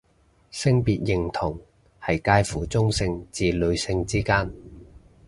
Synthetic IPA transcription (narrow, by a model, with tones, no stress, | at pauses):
sɪ˥ŋpiː˨t̚jɪ˨ŋt̪ʰʊ˨˩ŋ | hɐ˨jkaː˥jfuː˨˥t͡sʊ˥ŋsɪ˧ŋt͡siː˨lɵ˨˧ɥsɪ˧ŋt͡siː˥kaː˥n